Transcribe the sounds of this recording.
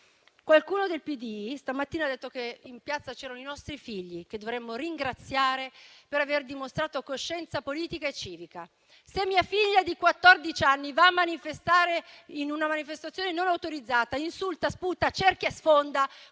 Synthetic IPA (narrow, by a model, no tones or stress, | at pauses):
kwalkuːnod̪elpid̪ist̪amat̪ːiːnad̪ːet̪ːokeimpjat̪sat͡ʃɛːɾanoinɔst̪ɾifiʎːiked̪ovɾɛmːoriŋɡɾat̪sjaːɾepeɾaverd̪imost̪ɾaːt̪okoʃːɛnt̪sapoliːt̪ikaet͡ʃiːvika̰ | semːiːafiʎːad̪ikwat̪ːord̪it͡ʃanːivaːmːanifest̪aːɾeinunamanifest̪at̪sjoːnenonawt̪oɾid̪zːaːt̪ainsult̪asput̪at͡ʃerkjasfond̪a